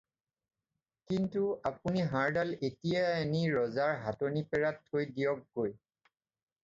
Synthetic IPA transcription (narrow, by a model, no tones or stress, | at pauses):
kintuapuniɦãɹdaletijaeniɹɔzaɹɦatonipɛɹatʰːojdijɔkːoj